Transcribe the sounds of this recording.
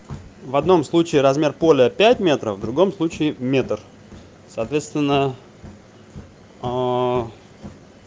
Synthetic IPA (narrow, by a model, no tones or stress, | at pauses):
vɐd̪no̞mslˠut͡ɕɪːɾɐzmʲe̞rpolʲɪəpʲæt̚ʲmʲe̞t̪ɾəfvd̪ɾʊɡo̞mslˠut͡ɕɪɪmʲe̞t̪r | sɐːt̪vʲe̞t̪st̪vʲɪnːə